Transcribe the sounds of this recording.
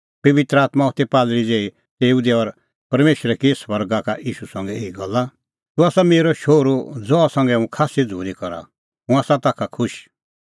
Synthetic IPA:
pɐʋɪt̪ɾəaːt̪mãɔt̪epaːlɾid͡zeːi | t̪eːud̪eɔɾ | pɐɾmeːʃɾɛkisʋɐɾɡakaʔiːʃusɐ̃ŋɡɛeːiɡɔlːa | t̪ũaːsameːɾɔʃoːɾod͡zɔasɐ̃ŋɡɛũkʰaːsid͡zʱṵːɾikɔɾa̰ | ɦũaːsãt̪akʰakʰʊʃ

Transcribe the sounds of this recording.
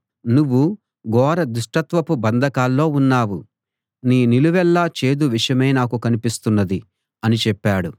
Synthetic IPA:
nuʋːu | ɡɔːɾɐd̪uʂʈɐt̪ʋɐpubɐnd̪ʱɐkaːlːo̞ːunːaːʋu | niːniluʋɛlːaːt͡ʃe̞ːd̪uʋiʂjɐmeːnaːkukɐnipist̪unːɐd̪i | ɐnit͡ʃɛpːaːɽu

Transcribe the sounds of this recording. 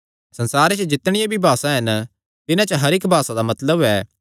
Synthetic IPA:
sɐnsaːɾet͡ʃəd͡ʒɪt̪ːɽ̃ɪjabʱibʱaːsãɦɐn | t̪ɪnãt͡ʃəɦɐɾɪkbʱaːsãd̪amɐt̪ləbɛː

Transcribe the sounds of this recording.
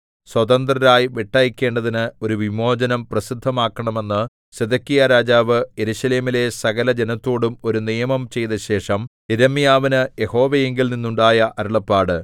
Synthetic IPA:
swɐt̪ɐnd̪rɐɾaːjʋiʈːaːjikʲːe̞ːɳɖɐðinɨo̞ɾuʋimo̞ːd͡ʑɐnɐmprɐsid̪ʱːɐmaːkːɐɳɐme̞nːɨ | sed̪ʱɐkːijɐɾaːd͡ʑaːʋɨje̞ɾuɕɐle̞ːmile̞sɐɣɐlɐd͡ʑenɐt̪ːo̞ːɽumo̞ɾunijɐmɐmt͡ɕe̞jtðɐɕe̞ːʂɐm | iɾɐmːijaːʋinɨje̞ho̞ːʋɐjeŋɡilninːuɳɖaːjɐʔɐɾuɭɐpːaːɽɨ

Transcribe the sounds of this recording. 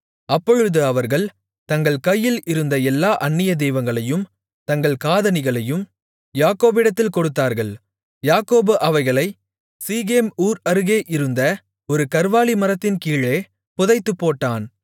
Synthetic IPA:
ɐpːɔɻɯðɯɐʋɐɾɣɐɭ | t̪ɐŋɡɐɭkɐjːɪlɪɾɯnd̪ɐɛlːaːʔɐɳːɪjɐd̪ɛːʋɐŋɡɐɭɐjɯm | t̪ɐŋɡɐɭkaːðɐnɪɣɐɭɐjɯm | jaːkoːbɪɽɐt̪̬ːɪlkɔɽɯt̪ːaːɾɣɐɭ | jaːkoːbɯʔɐʋɐɪɣɐɭɐɪ | siːɣeːmuːɾɐɾɯɣeːʔɪɾɯnd̪ɐ | ɔɾɯkɐɾʋaːɭimɐɾɐt̪ːɪnkiːɭeː | pʊðɐɪt̪ːɯpːoːʈːaːn

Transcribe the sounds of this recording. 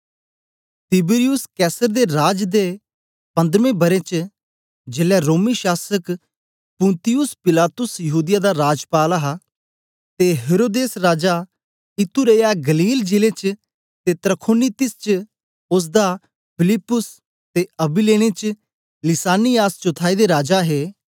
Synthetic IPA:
t̪ɪbɪɾijʊskɛːsəɾd̪eɾaːd͡ʒd̪e | pɐ̃nd̪ɾʋẽːbɐɾet͡ʃ | d͡ʒɪlɛɾoːmiʃaːsək | pʊ̃nt̪ɪjʊspɪlaːt̪ʊsjɐɦuːd̪ɪjad̪aɾaːd͡ʒpaːlaɦa | t̪eɦeːɾoːd̪eːsɾaːd͡ʒa | ɪt̪uɾeːjaɡəliːld͡ʒɪlet͡ʃ | t̪eːt̪ɾəkʰoːnit̪ɪst͡ʃ | ʊs̬d̪aː | pʰɪlɪpːʊs | t̪eːɐbileːneːt͡ʃ | lɪsaːnijaːst͡ʃʊt̪ʰaːid̪eɾaːd͡ʒaɦeː

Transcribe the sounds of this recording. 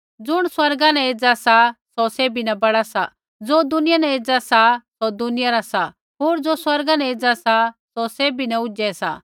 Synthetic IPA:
d͡zʊɽ̃swɐɾɡãnɛ̃eːd͡zasasɔseːbinɛbɐɽasa | d͡zoːd̪ʊnɪjanɛ̃eːd͡zasasɔd̪ʊnɪjaɾasa | ɦoːɾd͡zoːswɐɾɡanɛ̃eːd͡zasasɔseːbinɛʊd͡ʒɛsa̰

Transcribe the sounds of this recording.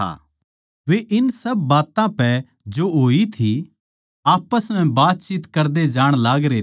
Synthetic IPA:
a̰ | ʋeʔɪnsɐbːaːt̪ãpɛ | d͡ʒoɦoːit̪ʰi | aːpəsm̤ɛ̃baːt̪̚t͡ʃiːt̪kɐɾd̪ed͡ʒaːɽ̃laːɡɾe

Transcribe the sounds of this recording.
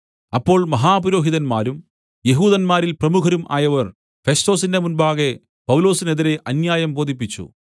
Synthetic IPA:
ɐpːo̞ːɭmɐɦaːpuɾo̞ːɦiðɐnmaːɾum | je̞ɦuːðɐnmaːɾilprɐmukʰɐɾumʔa̰ːjɐʋɐr | fe̞sto̞ːsindemunbaːɣe | pɐwlo̞ːsine̞ðiɾe̞ʔɐnjaːjɐmbo̞ːd̪ip̬ːit͡ɕːṵ

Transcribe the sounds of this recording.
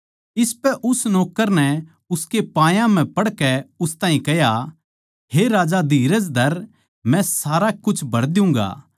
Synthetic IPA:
ɪspɛʔʊsnɔːkːəɾnɛ | ʊskepãːjãm̤ɛ̃pɐɽkɛʊst̪aːĩkɛja | heɾaːd͡ʒad̪iːɾəd͡ʒd̪ʱɐɾ | mɛ̃saːɾakʊt͡ʃʰbʱɐɾd̪ɪʊ̃ŋɡa̰ː

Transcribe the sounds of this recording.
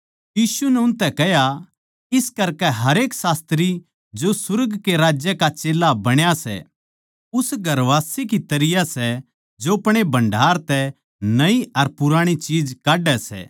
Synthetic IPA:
jiːsunɛʊnt̪ɛkɛɦja | ɪskɐɾkɛɦɐɾeːksaːst̪ɾi | d͡ʒosʊɾɡkeɾaːd͡ʒjəkat͡ʃeːlːabɐɽ̃jasɛ̰ | ʊsɡʱɐɾʋaːsek̬it̪ɐɾɪjasɛ | d͡ʒoɐpɽ̃ebʱɐ̃ɳɖʱaːɾt̪ɛ | nɐiɐɾpʊɾaːɽ̃it͡ʃiːd͡ʒkaːɖɛsɛ̰ː

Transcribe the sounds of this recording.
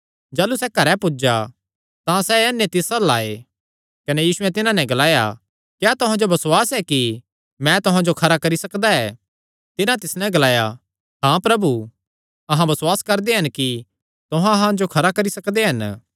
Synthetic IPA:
d͡ʒaːlusɛkɐɾɛpʊd͡ʒa | t̪ãsɛɛːnːet̪ɪsɐla̰ːe | kɐnɛjiːsʊɛt̪ɪnãnɛ̃ɡɐlaːja̰ | kjaːt̪ʊɦãd͡ʒobɐsʊwaːsɛki | mɛ̃t̪ʊɦãd͡ʒokʰɐɾakɐɾisɐkd̪aɛː | t̪ɪnãt̪ɪsnɛ̃ɡɐlaːja | ɦãpɾɐbu | ɐɦãbɐsʊaːskɐɾd̪eɦɐnki | t̪ʊɦãɦãd͡ʒokʰɐɾakɐɾisɐkd̪eɦɐn

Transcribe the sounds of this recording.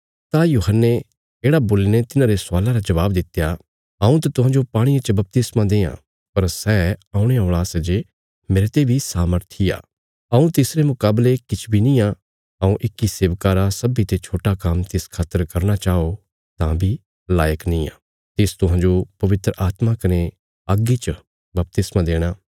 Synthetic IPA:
t̪ajuːɦənːe | eːɽaboːlinet̪ɪnãːɾesʊaːlãɾad͡ʒɐʋaːbd̪ɪt̪eja | ɐũt̪at̪ʊɦãːnd͡ʒopaːɽ̃ijãt͡ʃəbɐp̚t̪ɪsmãd̪eːã̰ | pɐɾsɛːãːũɽ̃eõːɭ̃asɐd͡ʒe | meːɾet̪ebʱisaːməɾt̪ʰija̰ː | ɐũt̪ɪsɾemʊkaːblekɪt͡ʃʰbʱinĩːa | ɐũʔɪkːiseːʋkaːɾasɐbit̪et͡ʃʰoːʈakamt̪ɪskʰaːt̪əɾkɐɾñat͡ʃaːo | t̪ãbʱi | laːjəknĩːa̰ː | t̪ɪst̪ʊɦãːɲd͡ʒopɐʋɪt̪ɾəʔaːt̪makɐne | ɐɡit͡ʃə | bɐp̚t̪ɪsmãd̪eːɽ̃aː

